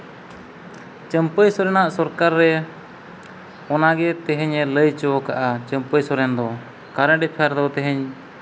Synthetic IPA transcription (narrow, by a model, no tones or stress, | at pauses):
t͡ʃəmpəjsɔɾɛnaʔsɔɾkaɾːɛ | ɔnaɡɛt̪ɛɦɛɲɛləjt͡ʃɔwɔkaʔat͡ʃəmpəjsɔɾɛnd̪ɔ | kaɾɛ̃ɖɛpʰaɾd̪ɔt̪ɛɦɛɲ